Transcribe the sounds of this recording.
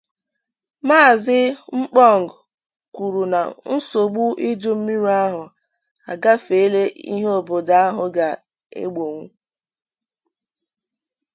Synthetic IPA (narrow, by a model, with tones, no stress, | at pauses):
maː˦˨zɪ˦ŋ͡m̩˦k͡pɔ˦˨ŋ˨ɡ | kʷu˨ɾu˨na̰˨n̩˦so˨ɡ͡bu˦ʔi˦d͡ʒʊ˦m̩˦mi˦ɾa˦ɦʊ˨ | a̰˨ɡa˦fe˨˦le˦ḭ˦ɦe˦o˨bo˨da˦a˦ɦʊ˨ɡa˨ | ḛ˦ɡ͡bo˨ŋʷu˦